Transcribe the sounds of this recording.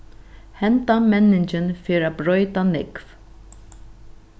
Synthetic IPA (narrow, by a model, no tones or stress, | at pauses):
hɛnt̪amɛnːɪɲt͡ʃɪnfɪːɾabɾœjt̪anɪkv